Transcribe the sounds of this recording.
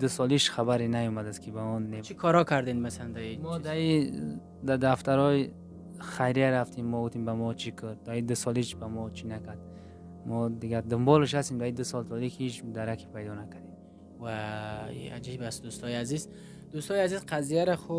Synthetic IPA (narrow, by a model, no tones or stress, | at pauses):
d̪usɔliʃχabaɾinajɔmad̪askʰibaɔnːet͡ʃʰikʰɔɾɔkʰaɾd̪end̪masaland̪aimɔd̪ai | d̪ad̪aft̪ʰaɾɔji | χajɾiaɾaft̪ʰimːɔɡut̪imbamɔt͡ʃʰikʰəɾd̪aid̪usɔliʃbamɔt͡ʃʰinakʰaɾd̪ | mɔd̪iɡaɾd̪ʊmbɔləʃhast̪imd̪aid̪usɔlt̪ʰɔlikʰiit͡ʃd̪aɾakʰi̥pʰajd̪ɔnakʰad̪em | va̰ | a̰d͡ʒibast̪d̪ust̪ʰɔjaziz | d̪ust̪ɔjazizqʰazijaɾaχu